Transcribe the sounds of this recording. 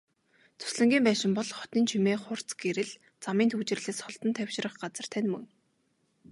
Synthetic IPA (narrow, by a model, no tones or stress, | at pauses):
t͡sʰɵ̥sɮɘ̆ŋɡʲiːmpæːʃɪ̆mpɔɮχɔ̥t̪iːnt͡ɕʰimeːχʊr̥t͡sɡeɾɘ̆ɮ | t͡samiːnt̪ʰuːt͡ɕɪ̆rɮeːsχɔɮt̪ə̆nt̪ʰæw̥ʲʃɪ̆rə̆χɢat͡sə̆r̥t̪ʰænmɵ̰ŋ